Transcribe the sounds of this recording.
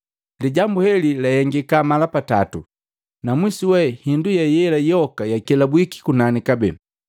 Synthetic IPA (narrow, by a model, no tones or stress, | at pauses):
liɟambuhɛlilahɛŋɡikamalapata̰tu | namwisiwɛhindujajɛlajɔkajakɛlabwiki̥kunanikabɛ̰